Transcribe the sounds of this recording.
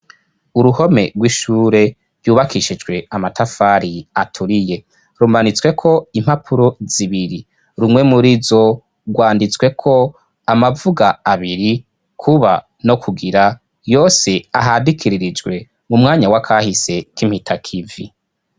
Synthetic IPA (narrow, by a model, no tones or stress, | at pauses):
uɾuho̞me̞̰ɡwiʃuːɾe̞ | vjuːβakiʃid͡ʒɡwe̞amatʰafaːɾiatʰuɾije̞ | ɾumanit͡swe̞kʰo̞im̥hapʰuɾoz̥iβiɾi | ɾumŋe̞muɾizo̞ | ɡwaːndit͡swe̞kʰo̞ | amavuɡaaβiɾi | kʰuβa | no̞kʰuɡiɾa | jo̞ːse̞aɦadikʰiɾiɾid͡ʒɡwe̞ | mumŋaːɲawakʰahise̞kim̥hitʰakʰivḭ